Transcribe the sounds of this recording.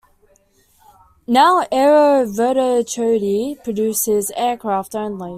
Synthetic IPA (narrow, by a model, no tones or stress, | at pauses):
naʊʔɛɹəvəɾət͡ʃʰəʊɾipʰɹ̥ədʉˑsɪzɛːkʰɹ̥ɑˑftə̃ʊ̃nli